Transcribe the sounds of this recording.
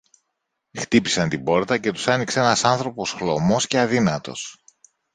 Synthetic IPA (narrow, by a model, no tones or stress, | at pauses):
xt̪ipisɐnt̪ibo̞ɾt̪ɐce̞t̪u̥sɐnikseenɐsɐnθɾo̞po̞sxlo̞mo̞sce̞ɐðinɐt̪o̞̰s